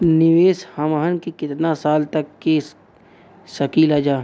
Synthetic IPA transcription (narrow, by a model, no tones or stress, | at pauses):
nɪʋeːshɐmaɦənkikɪt̪nasaːlt̪ɐkːe | sɐkiːlaːd͡ʒaː